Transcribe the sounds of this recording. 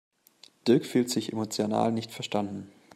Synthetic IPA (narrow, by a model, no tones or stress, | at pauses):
d̥ɪɐkfyːltz̥ɪçʔḛmot͡sjona̰ːlnɪçtfɛɐʃtandn̩